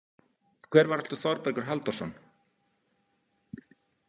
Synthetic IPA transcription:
kʰvɛːɾvaɾɛlt̪ʏθɔɾpɛɾkʏɾ̥ɦalt̪ɔsɔn

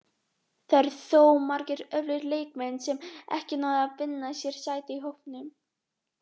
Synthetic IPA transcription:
θajɾθoːwmaɾcɪɾœvlɪɾleːjkmɛnsɛmɛ̰hcɪnaːwðʏaðvɪnːasjɛɾ̥saːjt̪ɪiɦowhpnʏm

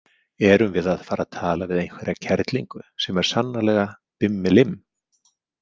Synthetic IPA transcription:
ɛɾʏmvɪðað̥faːɾʔaðt̪ʰaːlavɪðejnkvɛɾacʰɛɾt̪liŋkʏsɛmɛɾ̥sanːalɛɣa | pɪmːɪlɪm

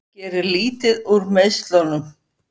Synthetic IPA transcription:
cɛːɾɪɾliːt̪ɪðuɾmeðst̪lɔwnʏm

